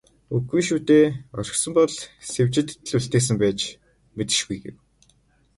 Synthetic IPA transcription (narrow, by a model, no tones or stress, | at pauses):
uɡujʃuːt̪eːɔrʲɪ̆xsɞ̆mpɔɮsewt͡ɕɪ̆t̪̆ːɮuɬt̪eːs̬ɘ̆mpæːt͡ɕ | met̪ɘ̆ʃɡujɡḛw